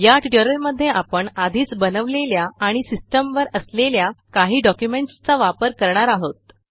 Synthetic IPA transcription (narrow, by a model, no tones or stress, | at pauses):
jaʈiʈəɾəlməd̪ʱːjeʔapəɳad̪ʱiːt͡sbənəʋleljaaɽ̃isisʈəmʋəɾəsleljakaɦiːɖɔkjumeɳʈst͡saʋapəɾkəɾɳaɾaɦot̪̚